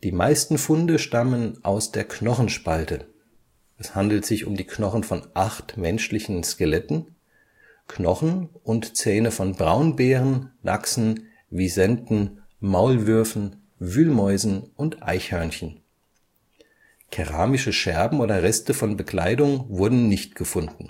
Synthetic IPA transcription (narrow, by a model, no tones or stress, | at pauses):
d̥iːmaɪstn̩fʊndəʃtamənʔa̰ʊsd̥eːɐknɔχn̩ʃpaltə | ʔɛshandl̩tz̥ɪçʊ̰mdiːknɔχn̩fɔnʔaχtmɛnʃlɪçn̩skelɛtn̩ | kʰnɔχn̩ʔʊntt͡sɛːnəfɔnbʁaʊnbɛːʁənːʔa̰ksn̩ | viːzɛndn̩maʊlvʏɐfn̩ | vyːlmɔʏzn̩ʔʊntʔa̰ɪçhœɐnçən | kʰɛʁaːmɪʃəʃɛɐbm̩oːdɐʁɛstəfɔnbəkʰl̥aɪdʊŋvʊɐdn̩nɪçtɡ̥əfʊndn̩